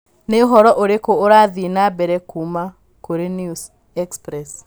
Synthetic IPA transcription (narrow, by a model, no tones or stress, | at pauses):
neoɦɔɾɔʔoɾekoːɾaðinabɛɾɛkuma | koɾenjus | ɛkspɾɛs